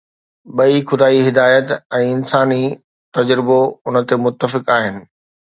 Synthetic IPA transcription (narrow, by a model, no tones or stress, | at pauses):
ɓɐixʊd̪aːiɦɪd̪aːjət̪ɛ̃ːɪnsaːni | t̪ɐd͡ʑɾɪboʊnə̆t̪emʊt̪ːəfɪkaːɦɪnɪ̆